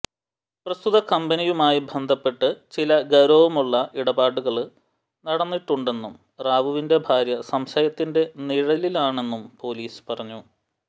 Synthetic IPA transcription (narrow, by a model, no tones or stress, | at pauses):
prɐst̪ʰuðɐkɐmbɐnijumaːjibʱɐnd̪ʱɐpːe̞ʈːɨt͡ɕilɐɡɐɾoːʋumuɭːɐʔiɽɐbaːʈːuɣɐɭ | nɐɽɐnːiʈːuɳɖe̞nːum | raːʋuʋinde̞bʱaːɾjɐsɐmɕɐjɐt̪ːinde̞niɻɐlilaːɳe̞nːumpo̞ːliːspɐrɐɲːu